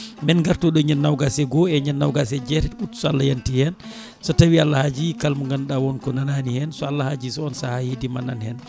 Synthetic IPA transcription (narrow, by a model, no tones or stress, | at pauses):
mɛnɡaɾtɔɗɔɲanːawɡasɛɡɔɛɲanːawɡasɛd͡ʒɛtɛtutsɔalːajantihɛn | sɔtawialːahad͡ʒikalmuŋɡanɗawɔnkɔnananihɛnsɔalːahad͡ʒisɔɔnsahahedimananhɛn